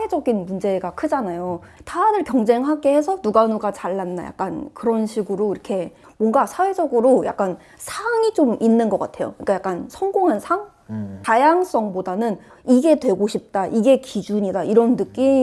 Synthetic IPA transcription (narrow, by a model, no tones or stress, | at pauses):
e̞d͡ʑʌɡinmund͡ʑe̞ɡakʰɯd͡ʑanajotanɯɭkjʌŋd͡ʑe̞ŋɦaɡe̞hesʰʌnuɡanuɡat͡ɕaɭːanːa̰ja̰k͈̚ankɯɾʌnɕʰiɡɯɾoiɾʌkʰe̞ | mwʌŋɡasʰawe̞d͡ʑʌɡɯɾoja̰k͈an | sʰaŋit͡ɕominːɯnɡʌk͈a̰tʰe̞jo̰kɯɲik͈ajak͈ansʰʌŋɡoŋɦansʰaŋ | tajaŋs͈ʌŋbodanɯn | iɡe̞dwe̞ɡoɕʰip̚t͈aʔiɡe̞kid͡ʑuɲidaiɾʌnːɯk͈i